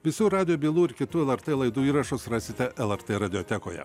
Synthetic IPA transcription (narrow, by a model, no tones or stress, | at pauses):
ʋʲɪsʲuːɾɑːd̪ʲɪjoːbʲiːlˠuːɪɾkʲɪt̪uːɛlˠɛɾt̪eːlˠɐɪd̪uːiːɾɐʃʊsɾɑːsʲɪt̪ʲɛʔɛlˠɛɾt̪eːɾɐd̪ʲɪɔt̪ʲɛkoːjɛ̰